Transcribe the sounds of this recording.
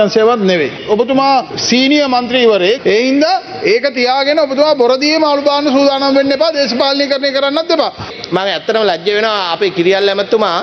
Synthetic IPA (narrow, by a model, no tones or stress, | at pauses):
anseːʋat̪neʋḛopɐt̪umaːsiːnijɐmɐnt̪ɾiːʋɐɾeeːind̪a | eːkɐt̪ijaːɡeneopɐt̪umaːboɾɐd̪ijemaːlubaːnusuːd̪ʱaːnɐmʋenːepaːd̪eːsɐpaːlnikɐɾnekɐɾanːɐt̪̚d̪epaː | maŋɛt̪ːɐɾəmɐlɐd͡ʒjɐʋenoʋaːpekiɾijalːɛmɐt̪ːumaː